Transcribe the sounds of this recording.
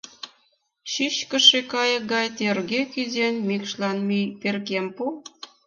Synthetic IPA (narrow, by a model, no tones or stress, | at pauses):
ɕiɕkə̆ʃekɑjə̆k̚ɡɑjt̪erɣekyzenʲmikʃlɑnmiperkempu